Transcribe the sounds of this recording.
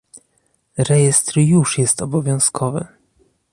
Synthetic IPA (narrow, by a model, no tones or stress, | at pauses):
ɾɛjɛst̪ɾjuʂjɛst̪ɔbɔvʲjɔ̃w̃skʰɔvɘ̰